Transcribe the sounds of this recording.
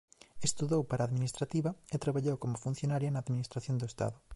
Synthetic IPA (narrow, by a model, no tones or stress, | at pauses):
est̪uðowpaɾaːðminist̪ɾat̪iβɐet̪ɾaβaʎowkomʊfun̟θjonaɾjɐnɐːðminist̪ɾaθjond̪oest̪a̰ðʊ